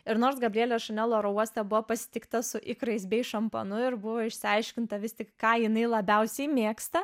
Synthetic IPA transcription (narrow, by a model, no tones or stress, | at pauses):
ɪɾnoːɾsɡɐbʲɾʲiɛlʲɛʃɐnʲɛlˠoːɾɐuɔsʲt̪ʲɛbʊʋoːpɐsʲɪ̥t̪ʲɪkt̪ɐsʊʔɪkɾɐɪsbʲɛɪʃɐmpoːnʊɪɾbʊʋoːɪʃʲsʲɪɐɪʃʲkʲɪnt̪ɐʋʲɪst̪ʲɪkkɑːjɪnɐɪlˠɐbʲɛʊsʲɛɪmʲeːkst̪ɐ